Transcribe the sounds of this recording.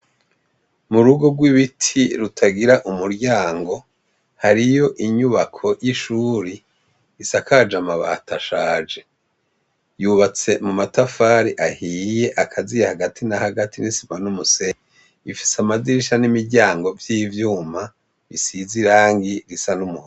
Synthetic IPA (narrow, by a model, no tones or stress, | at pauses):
muɾuɡo̞ɡwiβitʰiɾutʰaɡiɾaʔumuɾɟaːŋɡo̞ | haɾijo̞ʔiɲuβakʰo̞jiʃuɾi | isakad͡ʒamaβa̰tʰaʃaːd͡ʒe̞ | juβat͡se̞mumatafaːɾiʔahije̞ʔakʰazijahaɡatʰinahaɡatinisi̥manumuse | ifi̥samaziʃanimiɾɟaːŋɡo̞vjiːvjuːma | βisiziɾaːŋɡiɾisanumuho